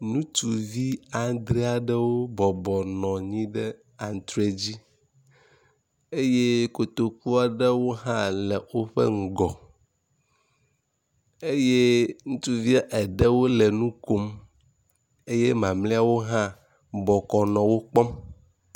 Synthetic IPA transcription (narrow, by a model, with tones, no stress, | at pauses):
nũ˦t̪u˨vi˦a˨˦d̪ɾi˦a˨ɖɛ˦wo˦bɔ˨bɔ˨nɔ̃˨ɲĩ˦ɖɛ˦ | a˨ŋ˨t̪ɾe˨d͡ʑi˦ | e˦je˦ko˨t̪o˨k̚u˦a˨ɖɛ˦wo˦ɦã˦lɛ˨wo˦ɸɛ̰˦ŋ̩˨ɡɔ˨ | e˦je˦ŋũ˦t̪u˦vi˦a˦ʔɛ˨ɖɛ˦wo˦lɛ˨nũ˦ko˦m | e˦je˦mã˨mle˦a˨wo˦ɦã˦ | bɔ˨kɔ˨nɔ̃˨wo˦k͡pɔ˦m